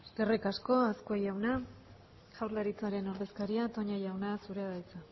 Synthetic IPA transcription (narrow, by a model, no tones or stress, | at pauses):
skerikasko̞askoejawna | ʝawɾlaɾit͡saɾe̞no̞ɾðe̞skaɾiat̪o̞ɲajawnasuɾe̞aðajt͡sa